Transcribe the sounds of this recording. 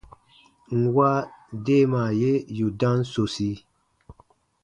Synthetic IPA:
ŋ̩˨wa˦de˦˨ma˨je˦ju˨dã˦nso˨si˦

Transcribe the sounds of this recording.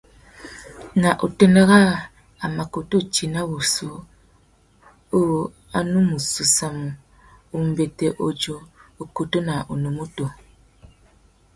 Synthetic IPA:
na˨ʔo˨te˦ne˦ɣa˦ | a˨ma˨ko˨to˦˨t͡ʃi˨na˦bu˨so˨˦ | o˦˨ | a˨nu˦mu˨su˨sa˨mu˨ | u˨m̩˨be˨te˨ʔo˨d͡ʒo˨o˨ko˨to˦na˨ʔo˨no˨mo˦to˨

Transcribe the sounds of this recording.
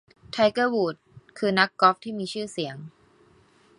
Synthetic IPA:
t̪ʰa˧jkɤː˥˩wuː˨˩t̪̚kʰɯː˧na˦˥kːɔ˦˥p̚t̪ʰiː˥˩miː˧t͡ɕʰɯː˥˩si˩˦əŋ

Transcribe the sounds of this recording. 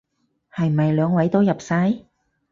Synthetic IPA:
hɐ˨jm̩˨˩hɐ˨jlœː˨˧ŋwɐ˨˥jt̪o˥wjɐ˨p̚saː˥j

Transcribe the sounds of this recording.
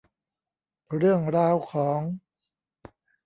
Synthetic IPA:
ɾɯ˥˩əŋɾaː˧˥wkʰɔː˩˦ŋ

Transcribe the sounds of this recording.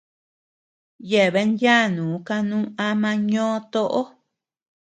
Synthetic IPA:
je˨βe˧˦njja˦˨nũː˨˦ka˧nũː˦a˧mã˧ɲõ˦t̪o˦ʔo˦

